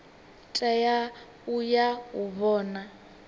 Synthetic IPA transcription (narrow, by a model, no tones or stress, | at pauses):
tʼaja | ujauβɔːna